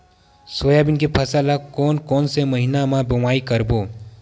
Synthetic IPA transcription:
soːjabɪnkepʰɐsalakoːnkɔːnseməɦinamãbɐmaːikəɾboː

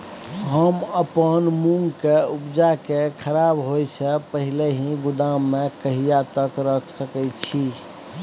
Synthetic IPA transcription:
ɦəməpənmuŋɡkeupd͡ʒakekʰəɾabɦojsʰəpəɦileɦĩɡʊd̪amːekəɦijat̪əkɾəkʰsəkɛt͡ʃʰi

